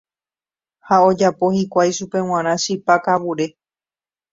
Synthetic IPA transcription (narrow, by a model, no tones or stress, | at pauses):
hao̞d͡ʒapo̞hikʷajʃupe̞w̃ãɾ̃ãʃipakaβuɾe̞